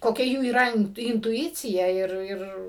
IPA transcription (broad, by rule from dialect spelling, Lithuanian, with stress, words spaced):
koːˈkʲɛ ˈjuː iːˈrɐ ɪntʊˈɪt͡sʲɪjɛ ˈɪr ˈɪr